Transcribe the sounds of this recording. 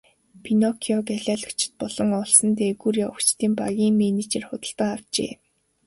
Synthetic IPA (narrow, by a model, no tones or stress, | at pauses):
pʰinɔkʰiɔɡaɮʲaːɮə̥̆kt͡ɕʰɪ̥̆t̪̚pɔɮɞ̆ŋɔɮsə̆nt̪eːɣuɾaʊkt͡ɕt̪iːmpaɣʲiːŋmenit͡ɕerχʊt̪ə̆ɬɮt̪ə̆ŋaw̥t͡ɕḛː